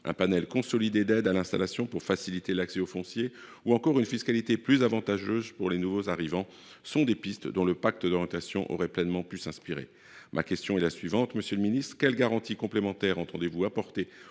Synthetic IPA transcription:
ʔɛ̰̃panɛlkɔ̃sɔlid̪ed̪ɛd̪alɛ̃st̪a̰lasjɔ̃puʁfasilit̪elaksɛofɔ̃sje | uɑ̃kɔʁynfiskalit̪eplyzavɑ̃t̪aʒøzpuʁlenuvozaʁivɑ̃ | sɔ̃d̪epist̪d̪ɔ̃ləpak̚t̪əd̪ɔʁjɑ̃t̪asjɔ̰̃ʔɔ̰ʁɛplɛnmɑ̃pysɛ̃spiʁḛ | mʔa̰kʲɛst̪jɔ̃ɛlasɥivɑ̃t̪məsjølminist̪χkʲɛlɡaʁɑ̃t̪ikɔ̃plemɑ̃t̪ɛʁɑ̃t̪ɑ̃d̪evuapɔʁt̪e

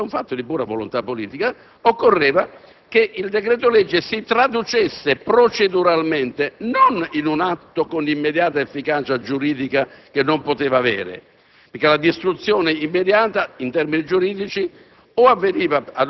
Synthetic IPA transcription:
uɱfat̪ːod̪ipuːɾavolont̪apːoliːt̪ika | okːorːɛːva | keʔild̪ekɾɛːt̪olɛd͡ʒːɪsit̪ɾad̪ut͡ʃesːepɾot͡ʃed̪uɾalment̪enoninunat̪ːokonimːed̪jaːt̪aefːikaːt͡ʃad͡ʒuɾiːd̪ikakenːompot̪eːvaːvɛ̰ːɾɪ̰ | peɾkːelad̪ist̪ɾut̪sːjɔːnɪimːed̪jaːt̪aint̪ɛrminid͡ʒuɾiːd̪it͡ʃi | oavːeniːvaa

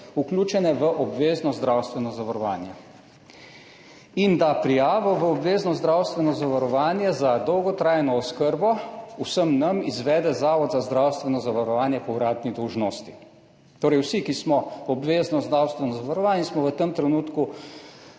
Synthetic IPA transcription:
uklʲuːt͡ʃɛnɛʋəʔɔbʋeːznɔzd̪ɾawst̪ʋɛnɔzaʋaɾɔʋa̰ːnja | ind̪apɾijaːʋɔʋəɔbʋeːznɔzd̪ɾawst̪ʋɛnɔzaʋaɾɔʋaːnjɛzad̪ɔwɡɔt̪ɾaːjnɔːskəɾbɔusəmnamizʋɛːd̪ɛzaːʋɔd̪zazd̪ɾawst̪ʋɛnɔzaʋaɾɔʋaːnjɛpɔuɾaːd̪nid̪ɔwʒnoːst̪i | t̪oːɾɛjwsikismɔɔbʋeːznɔzd̪ɾawst̪ʋɛnɔzaʋaɾɔʋaːnjɛsmɔʋət̪əmt̪ɾɛnuːt̪ku

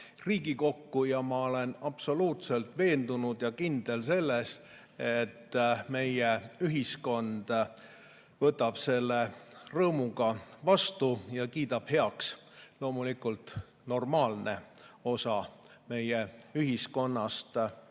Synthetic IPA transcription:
riːɡiko̞kːujɑmɑo̞le̞nɑpso̞luːt̪se̞lt̪ˑve̞ːnd̪unud̪̥jɑkind̪̥e̞lse̞lːe̞s | e̞t̪ːme̞jeyɦisko̞nd̪̥ | vɤt̪ːˑɑb̥se̞lːe̞rɤːmuɡ̥ɑvɑst̪ujɑkiːd̪ɑb̥he̞ɑkslo̞ːmulikult̪ | no̞rmɑːlne̞o̞sɑme̞jeyɦisko̞nːɑst̪

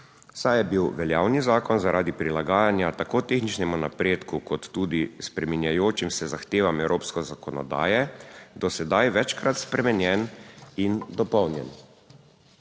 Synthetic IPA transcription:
sajɛbiwʋɛljaːwnizaːkɔnzaɾʔaːd̪ipɾilaɡaːjanjat̪akoːt̪exnit͡ʃnɛmunapɾeːt̪kukɔt̪ːuːd̪ispɾɛminjajoːt͡ʃimsɛzaxt̪eːʋamɛwɾʔoːpskɔzakɔnɔ̰d̪a̰ːjɛd̪ɔsɛd̪ajʋɛt͡ʃkɾat̪spɾɛmɛnjɛnind̪ɔpɔwnjɛ̰n

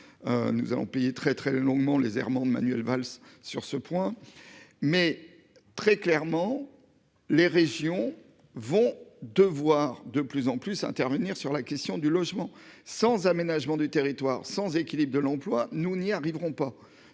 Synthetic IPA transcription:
nṵza̰lɔ̰̃pejet̪χɛt̪χɛlɔ̃ɡmɑ̃lḛzɛ̰ʁmɑ̃d̪əma̰nɥɛlvalsːyʁsəpwɛ̃ | mɛ | t̪χɛklɛʁmɑ̃ | leʁeʒjɔ̃ | vɔ̃d̪əvwaʁd̪əplyzɑ̃plysɛ̰̃t̪ɛʁvəniʁsyʁlakʲɛst̪jɔ̃d̪ylɔʒmɑ̃sɑ̃zamenaʒmɑ̃d̪yt̪eʁit̪waʁsɑ̃zekʲilibʁd̪əlɑ̃plwanuniaʁivʁɔ̃pa

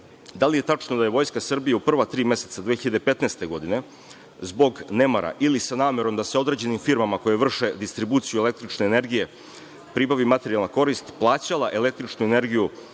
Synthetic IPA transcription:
d̪alije̞t̪at͡ʂnod̪ajeʋo̞jskasr̩bijaupr̩ʋat̪ɾiːmje̞se̞t̪sad̪ʋexiʎad̪epe̞t̪neːst̪e̞ɡo̞d̪ine̞ | zbo̞ɡne̞maɾa̰ʔilisanaːme̞ɾo̞md̪aseo̞d̪ɾe̞d͡ʑe̞nimfiɾmamako̞jeʋr̩ʃe̞d̪ist̪ɾibuːt̪sijuele̞k̚t̪ɾit͡ʃneːne̞ɾɡije̞ | pɾibaʋimat̪e̞ɾijalˠnako̞ɾist̪plˠaːt͡ɕalˠaʔe̞le̞k̚t̪ɾit͡ʃnuene̞ɾɡiju

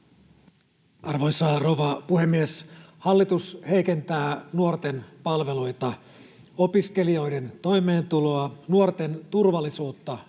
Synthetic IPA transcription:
ɑrʋo̞jsɑroʋɑpuhe̞mːieshɑlːit̪ushe̞jke̞nt̪æːnuort̪e̞npɑlʋe̞lojt̪ɑ | o̞piske̞lio̞jde̞nt̪o̞jme̞ːnt̪ulo̞ɑnuort̪e̞nt̪urʋɑlːisuːt̪ːɑ

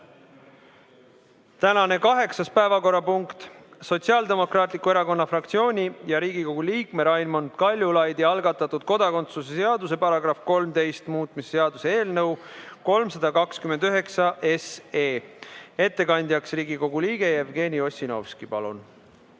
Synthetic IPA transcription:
t̪ænɑne̞kɑɦe̞ksɑspæevɑko̞rːɑpuŋkt̪so̞t̪siɑːld̪e̞mo̞kɾɑːt̪ˑlikue̞ɾɑko̞nːɑfrɑkt̪sio̞ːnʲijɑɾiːɡ̥iko̞ɡ̥uliːkmeɾɑjnmond̪̥kɑlʲjulɑjd̪jɑɑlɡ̥ɑt̪ːˑɑt̪ːˑud̪̥̚ko̞d̪ɑko̞nt̪susese̞ɑd̪use̞pɑɾɑɡ̥ɾɑfko̞lmt̪e̞jst̪muːt̪ˑmise̥seɑd̪use̞e̞ːlnɤwko̞lmsɑd̪̥ɑkɑkskymend̪yɦe̞ksɑʔeseːe̞t̪ːe̞kɑnʲd̪ʲjɑksriːɡiko̞ɡuliːɡ̥e̞jevɡe̞ːnio̞sʲino̞̰vskipɑlṵn

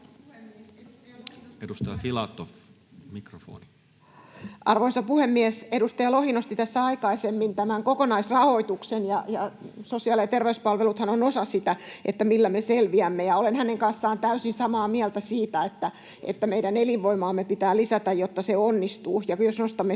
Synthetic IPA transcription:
edust̪ɑjɑfilɑt̪ːof | mikrofo̰ːni | ʔɑrʋoisɑpuhemːiesedust̪ɑjɑlohinost̪it̪æsːæɑikɑisemːint̪æmæŋkokonɑisrɑhoit̪uksenjɑjɑsosiɑlɑt̪erʋeyspɑlʋelut̪hɑnonosɑsit̪æʔḛt̪ːæmilːæmeselʋiæmːejɑolenhæneŋkɑnsːɑːnt̪æysinsɑmɑːmiɛlt̪æsiːt̪æet̪ːæ | ḛt̪ːæmeidæneliʋʋoimɑːmːepit̪æːlisæt̪æjjot̪ːɑseonːist̪uːjɑkjosnost̪ɑmːe

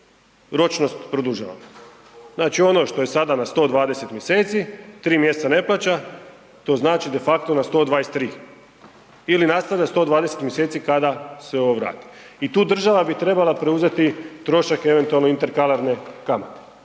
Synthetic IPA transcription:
ɾo̞t͡ʃno̞st̪pɾod̪uʒa̰ʋa̰m | znaːt͡ʃio̞no̞ʃt̪o̞je̞sad̪anast̪o̞ːd̪ʋaːd̪ese̞t̪mʲje̞se̞ːt̪sit̪ɾiːmje̞st̪sane̞plˠaːt͡ɕa | t̪o̞ːznaːt͡ʃid̪e̞fakt̪onast̪o̞ːd̪ʋaːjest̪ːɾiː | ilinast̪aʋʎast̪o̞ːd̪ʋaːd̪e̞se̞t̪mjese̞ːt̪sikad̪aseo̞ʋoʋɾa̰ːt̪i̥ | it̪uːd̪r̩ʒaʋabit̪ɾe̞balˠapɾe̞uze̞t̪it̪ɾo̞ʃake̞ʋent̪ualˠnoint̪e̞ɾkalˠaɾne̞kamat̪e̥

